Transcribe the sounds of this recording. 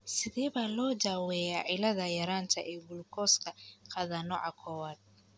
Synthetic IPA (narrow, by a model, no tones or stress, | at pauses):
sɪðɛːβaːlɔːd͡ʒaːwɛːjaːʕɪlɐðɐjɐɾaːnt̪ʰɐʔɛːɡʊlkʰɔːskʰɐqʰɑːðɐnɔ̰ʕɑkʰɔːwaːd̪̚